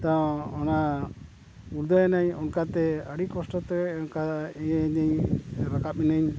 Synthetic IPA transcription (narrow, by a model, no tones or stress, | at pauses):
t̪ãɔna | uɾd̪aanaɲɔnkat̪ɛəɽikɔsʈɔt̪ɛɛɔnkaɛɲaɲɾakap̚inaɲ